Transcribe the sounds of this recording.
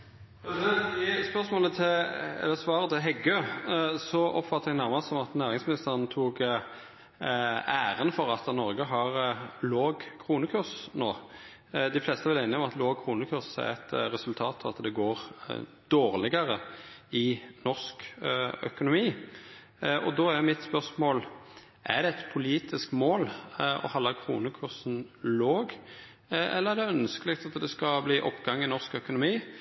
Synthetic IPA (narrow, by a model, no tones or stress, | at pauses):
ɪspœsmoːlət̪ʰɪlɛ̰lːəsʋɑːʁət̪ʰɪɦɛɡøːsɔʔɔ̰pfɑt̪ːəʁɛɡnæʁmɑsɔmɑt̪næːʁɪŋsmɪnɪst̪əʁənt̪ʰuːɡ | æːʁənfɔʁɑt̪nɔɾɡəɦɑʁloːɡkʰɾuːnəkʰʉʁsnoː | d̪ɪflɛːst̪əɛʋɛleːnɪɔmɑt̪loːɡ̚kʰʁuːnəkʰʉʁsæ̰ɛt̪ɾɛsʉlt̪ʰɑːt̪ʰɑʋɑt̪d̪ɛɡoːʁ | d̪̥oːʁlɪɡəɾəɪnɔskœ̰kʊnʊmiː | ʔɔ̰d̪oæmɪt̪spœʁsmoːl | ʔæʁd̪ɛɛt̪pʰʊliːt̪ʰɪskmoːlɔ̰hɑlːɑkʰʁṵːnəkʰʉʁsn̩loːɡ | ɛ̰lːəʁæʁd̪ɛœnskəlɪkt̪ɑt̪d̪ɛskɑbliːʔɔpːɡɑŋːɪnɔʁskœkʊnʊmiː